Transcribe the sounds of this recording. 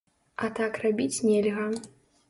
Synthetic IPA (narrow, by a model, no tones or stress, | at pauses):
ɐt̪akrabʲit͡sʲnʲɛlʲɣɐ